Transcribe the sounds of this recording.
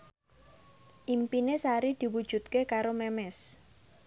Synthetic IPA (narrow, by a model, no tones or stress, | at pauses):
ʔimpinesaɾid̪̥i̤wud̥ʒ̥ṳt̪̚kekaɾomɛmɛs